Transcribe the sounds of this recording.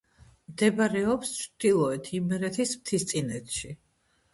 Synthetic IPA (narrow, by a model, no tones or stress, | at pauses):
md̪ɛbaɾɛɔpst͡ʃʰɾd̪̥ilˠɔɛt̪ʰimɛɾɛt̪ʰismt̪ʰist̪sʼinɛt̪ʰʃi